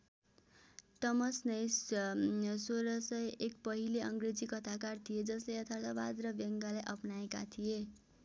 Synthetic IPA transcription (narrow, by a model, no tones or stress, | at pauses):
t̪ʌmʌsnʌj | soɾʌsʌjekpʌɦileʌŋɡred͡zikʌt̪ʰakart̪ʰied͡zʌslejʌt̪ʰart̪aba̰d̪rʌbeŋɡalajʔʌpnaeka̰t̪ʰije